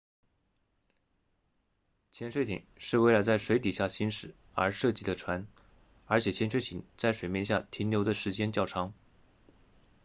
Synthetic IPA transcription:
t͡ɕʰjɛ˧˥nʂwe˥ɪt̪ʰḭ˨˩˦ŋʂɻ̩˥˧we˥˩ɪla˧˥ɪt͡sa˥˩ɪʂwe˧˥ɪt̪̬i˨˩ɕja˥˩ɕi˥nʂɻ̩˨˩ | ə̰˞˧˥ʂɤ˥˧t͡ɕi˥˧˩d̪ə˧ʈ͡ʂʰwa˧˥n | ə˞˧˥t͡ɕʰjɛ˨˩t͡ɕʰjɛ˧˥nʂwe˥ɪt̪ʰi˨˩ŋt͡sa˥˩ɪʂwe˨˩ɪmjɛ˥˧nɕja̰˥˩t̪ʰi˧˥nljo˧˥d̪ə˧ʂɻ̩˧˥t͡ɕjɛ˥nt͡ɕjɑ˥˩ʊʈ͡ʂʰɑ˧˥ŋ

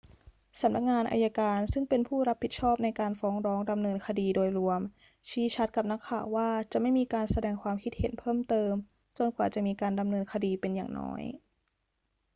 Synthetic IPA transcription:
sa˩˦mna˦˥k̚ŋaː˧nʔa̰ː˧ja˧kaː˧nsɯ˥˩ŋpe˧npʰuː˥˩ɾa˦˥pʰːi˨˩t̪̚t͡ɕʰɔː˥˩p̚na˧jkaː˧nfɔː˦˥ŋɾɔː˦˥ŋda˧mnɤː˧nkʰa˧diː˧doː˧jɾu˧əm | t͡ɕʰiː˦˥t͡ɕʰa˦˥t̪̚ka˨˩p̚na˦˥kʰːaː˨˩wːaː˥˩t͡ɕa˨˩ʔma˥˩jmiː˧kaː˧nsa˧dɛː˧ŋkʰwaː˧mkʰi˦t̪̚hḛ˩˦npʰɤː˥˩mt̪ɤː˧m | t͡ɕo˧˩nkwaː˨˩t͡ɕa˨˩miː˧kaː˧nda˧mnɤː˧nkʰa˧diː˧pe˧nja̰ː˨˩ŋnɔ̰ː˦˥j

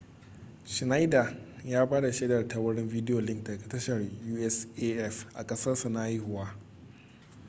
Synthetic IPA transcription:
ʃɪ˨na˦jda˨jaː˦baː˦da˨ʃeː˦dɐ˨rta˨wɐ˦ɽɪ˦mviː˦dɪ˦jo˨lɪ˦ŋtɡa˨tɐ˦ʃɐ˨rjuː˦ʔɛ˦sʔeː˦ʔɛ˦fʔa̰˨kʼɐ˦sɐ˦rsa˨na˦ji˦hʊ˦waː˦

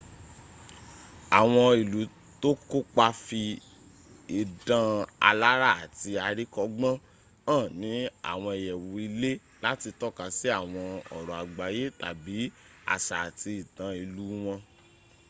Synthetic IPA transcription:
a˨w̃ɔ̃˧i˨lu˨˦ | to˦ko˦k͡pa˧fi˧ | i˨dã˧a˧la˦ɾa˦˨a˨ti˧a˧ɾi˦kɔ˧ɡ͡bã˦ | ãː˦˨nĩ˨˦a̰˦˨w̃ɔ̃˧e˨jɛ˨wo˨i˧le˦ | la˦ti˧tɔ˦kã˧si˦a˦˨w̃ɔ̃˧ɔ̰˨ɾɔ˨a˨ɡ͡ba˨˦je˦ta˨bi˨˦ | a̰˦˨ʃa˨a˨ti˧i˨tã˧i˨lu˨˦w̃ɔ̃˧

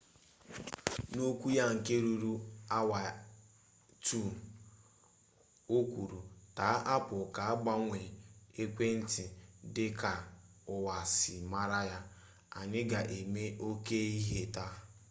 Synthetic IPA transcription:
no˦kʷu˦ja˦ŋ̩˨ke˦ɾu˦ɾu˦a˦wa˨ | tu˦˨ | o˦kʷu˨ɾu˨ta˨˦ʔa˦pʊ˨ka˨a˦ɡ͡ba˦ŋʷe˨e˦kʷe˦n̩˦tɪ˨dɪ˦ka˨ʊ˨wa˨sɪ˨ma˦ɾa˦ja˦ | a˨nɪ˦ɡa˨ʔe˨me˦ʔo˦ke˦i˦ɦe˦ta˦

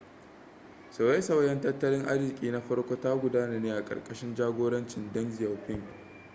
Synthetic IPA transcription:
sɐ˨wa˦sɐ˨wɐ˦jɐ˦ntɐ˦tːɐ˦lɪ˦ŋʔa˦zɪ˨kʲʼiː˨na˦ɸɐ˦ɽkʷo˦ta˦ɡʷʊ˨daː˦na˨neː˦ʔa˨kʼɐ̰˨rkʼɐ˨ʃɪ˦nd͡ʒaː˦ɡʷoː˦ɽɐ˦nt͡ʃɪ˨ndɐ˦nzɪ˨jɐ˨wɸɪ˦ŋʲ˨

